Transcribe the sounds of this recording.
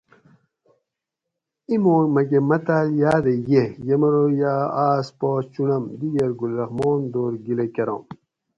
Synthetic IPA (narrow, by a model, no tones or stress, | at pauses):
imoːmɐɡemɐt̪aːljaːd̪ejejɐmɐɾojaːaːspoːt͡ɕunɐmd̪iɡɐɾɡulɾɐxmoːnd̪oːɾɡilekɐɾo̰ːm